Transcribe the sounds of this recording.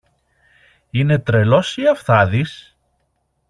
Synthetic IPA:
ine̞t̪ɾe̞lo̞siɐfθɐðis

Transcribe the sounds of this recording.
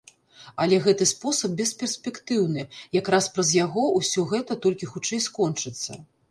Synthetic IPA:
ɐlʲɛɣɛt̪ɨspɔsɐb̚bʲɛspʲɛrsʲpʲɛkt̪ɨwnɨjakɾaspɾɐzjaɣɔwsʲɔɣɛt̪ɐt̪ɔlʲkʲixut͡ʂɛjskɔnt͡ʂɨt̪sːɐ̰

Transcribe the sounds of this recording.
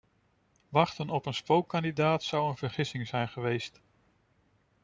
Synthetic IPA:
ʋɑχtənɔpənspowkːɑndidaːtsɑwənvəɹχɪsɪŋzɛjnχəʋejst

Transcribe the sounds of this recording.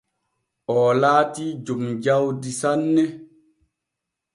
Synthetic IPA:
ʔɔːlaːtid͡ʒomd͡ʒawdisanːɛ

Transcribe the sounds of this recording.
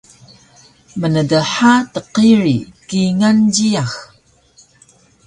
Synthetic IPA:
mənədəħatəqiɾikiŋanɟiax

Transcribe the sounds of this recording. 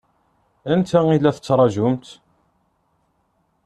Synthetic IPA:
ənt̪ʰæilːæθə̥t͡sːɾˤɑʒʊmt̪

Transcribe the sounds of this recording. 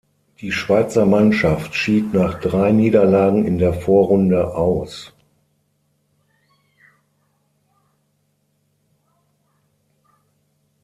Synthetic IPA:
d̥iːʃv̥aɪt͡sɐmanʃaftʃiːtnaːχd̥ʁaɪniːdɐlaːɡŋ̩ɪndeːɐfoːɐʁʊndəʔaʊs

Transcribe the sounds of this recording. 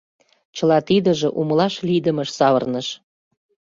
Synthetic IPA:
t͡ɕəlɑt̪id̪ə̆ʒĕʔumlɑʃlid̪ə̆məʃsɑβə̰rnəʃ

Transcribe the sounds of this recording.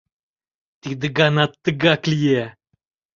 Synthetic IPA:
t̪id̪ɨɡanat̪ːəɡaklʲje

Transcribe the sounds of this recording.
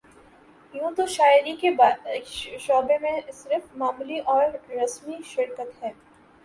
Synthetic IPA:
jũːt̪oʃaːjɪɾikeb | ʃɔːbemẽsɪɾfmaːmliʔɔːɾːɐsmiʃɪɾkət̪ɦɛː

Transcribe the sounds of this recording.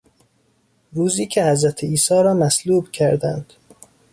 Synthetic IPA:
ɾuːziːcʰe̞hæzɾæt̪ʰeiːsɒːɾɒːmæsluːbcʰæɾd̪ænd̪̥

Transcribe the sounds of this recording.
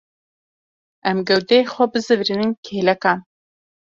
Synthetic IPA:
ʔɛmɡɛwd̪ɛexʷɛbɨzɨvɾinɨnkʰeːlɛkɑːn

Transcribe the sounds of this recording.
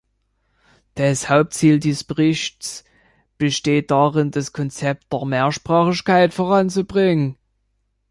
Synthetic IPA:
d̥ashaʊp̚tt͡siːldiːsb̥əʁɪçts | b̥əʃteːt̚d̥aːʁɪndaskʰɔnt͡sɛp̚t̚d̥eːɐmeːɐʃpʁ̥aːχɪʃkaɪtfoːʁant͡subʁɪŋən

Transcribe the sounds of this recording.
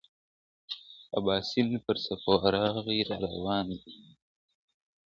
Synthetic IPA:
a̰bɑːsinpəɾsapoaɾɑːɣiɾɑɾawɑːnd̪i

